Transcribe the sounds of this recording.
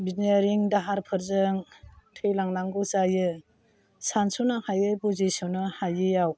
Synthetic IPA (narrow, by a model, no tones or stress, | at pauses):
binaɾiŋdaɦaɾpʰɯɾzɯŋtʰɯjlaŋnaŋɡɯsajɯ | sansɔnahajɯpozisɔnɯhajɯjaw